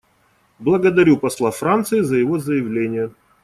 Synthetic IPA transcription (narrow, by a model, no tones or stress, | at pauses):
blˠəɡəd̪ɐɾʲupɐslˠafɾant̪sɨɪzəjɪvo̞zəjɪvlʲenʲɪjə